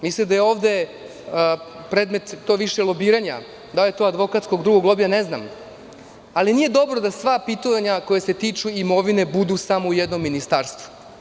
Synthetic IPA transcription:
mislimd̪ajeo̞ːʋd̪e̞ | pɾed̪me̞t̪ːoːʋiʃelˠobiːɾaɲa̰ | d̪aljet̪oːad̪ʋo̞kat̪skoɡd̪ɾuɡo̞ɡlˠo̞bijanezna̰m | alinijed̪o̞bɾo̞d̪asʋapit̪oʋaɲako̞jese̞t̪iːt͡ʃuimo̞ʋine̞bud̪usamoujɛd̪no̞mːinist̪aɾst̪vu̥

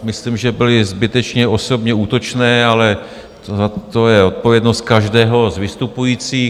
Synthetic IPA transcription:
mɪsliːmʒɛbɪlɪzbɪt̪ɛt͡ʃɲɛo̞so̞bɲɛuːt̪o̞t͡ʃnɛːalɛ | t̪oat̪o̞jɛo̞t̪̚po̞vjɛdno̞st̪̚kaʒdɛːɦo̞zvɪst̪upujiːt͡siː

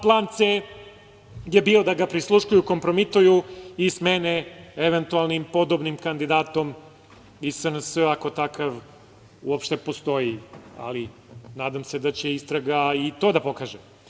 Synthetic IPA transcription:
plˠaːnt̪se | jebio̞d̪aɡapɾislˠuʃkujuko̞mpɾo̞mit̪ujuismeneeʋent̪ualˠnimpo̞d̪obnimkand̪id̪aːt̪o̞m | isənsəako̞t̪akaʋ | ṵopʃt̪e̞po̞st̪o̞ia̰li | naːd̪amse̞d̪at͡ɕeist̪ɾaɡait̪o̞ːd̪apo̞kaːʒe

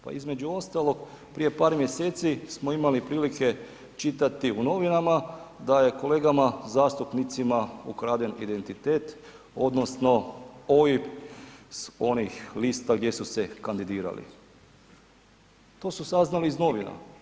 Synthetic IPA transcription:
pa̰izme̞d͡ʑuo̞st̪alo̞k | pɾije̞paːɾmje̞seːt̪sismo̞imalipɾiːlike̞ | t͡ʃit̪at̪iuno̞ʋinamad̪aje̞ko̞le̞ːɡamazaːst̪upnit̪simaṵkɾaːd̪enḭd̪e̞nt̪it̪eːt̪ | o̞d̪no̞sno̞ojipso̞nixliːst̪aɡd̪je̞suse̞kand̪id̪iːɾa̰lḭ | t̪o̞ːsusaznalizno̞ʋina̰

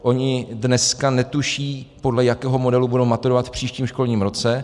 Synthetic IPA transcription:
ʔo̞ɲɪdnɛskanɛt̪uʃiːpo̞dlɛjakɛːɦo̞mo̞dɛlubudowmat̪uɾovat̪fpr̝̥iːʃciːmʃko̞lɲiːmɾo̞t͡sɛ

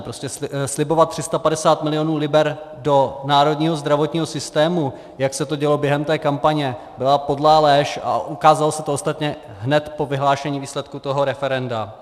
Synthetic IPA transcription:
pɾo̞scɛslɪbo̞vat̪̚t̪ːr̥ɪst̪apadɛsaːt̪mɪlɪo̞nuːlɪbɛɾ | do̞naːɾo̞dɲiːɦo̞zd̪ɾavo̞t̪ɲiːɦo̞sɪst̪ɛːmu | jaksɛt̪o̞ɟɛlo̞bjɛɦɛmt̪ɛːkampaɲɛ | bɪlapo̞dlaːlɛːʃa̰ʔukaːzalosɛt̪oost̪at̪ɲɛ | ɦnɛt̪po̞vɪɦlaːʃɛɲiːviːslɛt̪kut̪o̞ɦo̞ɾɛfɛɾɛnda

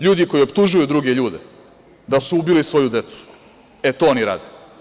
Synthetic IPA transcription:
ʎuːd̪iko̞iopt̪uʒujud̪ɾuɡe̞ʎuːd̪e | d̪asuubilisʋo̞jud̪e̞t̪su̥ | et̪oːoniɾa̰ːd̪e

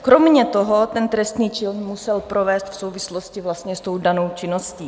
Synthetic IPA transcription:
kɾomɲɛt̪oɦot̪ɛnt̪ɾɛst̪niːt͡ʃɪlnmusɛlpɾovɛːst̪fsowvɪsloscɪvlast̪ɲɛst̪o̞wdano̞wt͡ʃɪnosciː

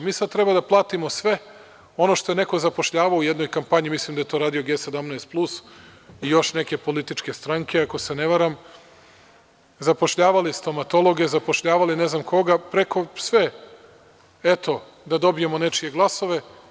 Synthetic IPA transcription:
miːsad̪̚t̪ɾebad̪aplˠaːt̪imo̞sʋe̞ | o̞no̞ʃt̪o̞jene̞ko̞zapo̞ʃʎaːʋaoujed̪no̞jkampaɲimislimd̪ajet̪o̞ɾaːd̪ijoɡesed̪amnaest̪̚plˠusijo̞ʃne̞ke̞po̞lit̪it͡ʃke̞st̪ɾaŋke̞ako̞sene̞ʋaɾam | zapo̞ʃʎaːʋalist̪o̞mat̪o̞lˠo̞ɡe̞zapo̞ʃʎaːʋalineznamko̞ɡapɾekʰo̞sʋe | et̪o̞ | d̪ad̪o̞bijemo̞ne̞t͡ʃije̞ɡlˠaso̞ʋe̞

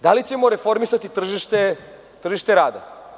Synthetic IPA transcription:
d̪alit͡ɕe̞mo̞ɾe̞fo̞ɾmisat̪it̪r̩ʒiʃt̪e | t̪r̩ʒiʃt̪e̞ɾaːd̪a̰

